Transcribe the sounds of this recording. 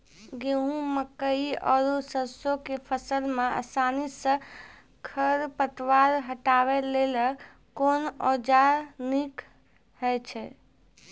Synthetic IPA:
ɡeɦũməkəiɔɾusəsokepʰəsəlmeə̰sanisə̃ | kʰəɾpət̪ʋaɾɦəʈaʋɛlelə | konɔd͡ʒaɾnik | hɛt͡ʃʰɛ

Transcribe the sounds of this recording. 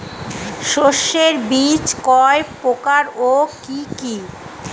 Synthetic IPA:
ʃoʃːeɾbit͡ɕkɔepokaɾokiki

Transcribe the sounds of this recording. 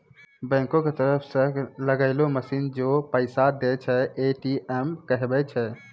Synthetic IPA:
bɛ̃ŋkõket̪əɾəpʰsə̃ləɡəɪloməsind͡ʒopəɪsad̪et͡ʃʰɛeʈiʔɛmkəɦbɛt͡ʃʰɛ

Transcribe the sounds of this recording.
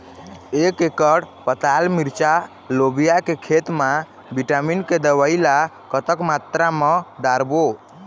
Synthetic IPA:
ekekəɽpət̪almiɾt͡ʃa | lobijakekʰet̪ma | biʈaminked̪əwəila | kət̪əkmat̪ɾaməd̪aɾbo

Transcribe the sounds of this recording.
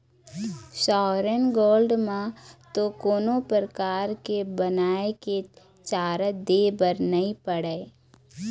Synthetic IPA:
ʃɔːɾənɡoːlɖmãt̪okoːnopɾəɾəkaːɾkebənaːeke | t͡ʃaːɾəd̪eːbəɾnəɦĩpəɽeː

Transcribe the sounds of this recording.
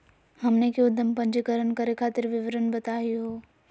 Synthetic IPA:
hɐmnekjʊd̪ʱːəmpɐ̃ɲd͡ʒəkəɾənkɐɾekʰaːt̪ɪɾʋɪʋɾənbɐt̪aːiɦoː

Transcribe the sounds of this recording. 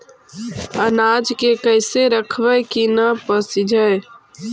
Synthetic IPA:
ənaːd͡ʒkekəɪseɾəkʰʋəjkinəpəsid͡ʒʱəe

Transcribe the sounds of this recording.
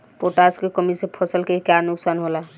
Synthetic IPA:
poʈaskekəmisepʰəsəlkekjanuksanɦola

